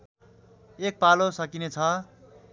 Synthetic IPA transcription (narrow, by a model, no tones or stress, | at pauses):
ek̚palosʌkinet͡sʰʌ